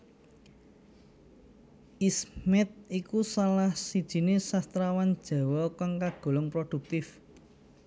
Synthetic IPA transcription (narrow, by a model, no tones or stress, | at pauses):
ʔismɛt̪̚ikusalahsid̥ʒ̥i̤nesast̪ɾawand̥ʒ̥a̤wɔkaŋkaɡ̥o̤lɔŋpɾod̥ṳk̚t̪ɪf